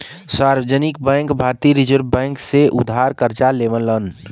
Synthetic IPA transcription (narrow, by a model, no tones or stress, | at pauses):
saːɾʋəd͡ʒənɪkbɛ̃ːŋkbʱaːɾt̪iɾɪd͡ʒəɾbbɛ̃ːŋkseʔʊ̰d̪ʱːaːɾkəɾt͡ʃaleːʋənlən